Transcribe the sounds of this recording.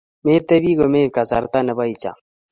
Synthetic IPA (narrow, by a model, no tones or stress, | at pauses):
meːt̪ebiɡomeːkasa̰ɾt̪anɐbait͡ɕa̰